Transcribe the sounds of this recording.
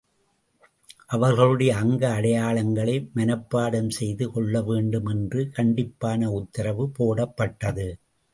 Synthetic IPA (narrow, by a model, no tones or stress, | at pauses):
ʔɐʋɐɾɣɐɭɯɽɐjɐːŋɡɐːɽɐjaːɭɐŋɡɐɭɐɪmɐnɐpːaːɽɐmsɛjðɯkɔɭːɐʋeːɳɖɯmɛndrɯkɐɳɖɪpːaːnɐʊt̪ːɐɾɐʋɯpoːɽɐpːɐʈːɐðɯ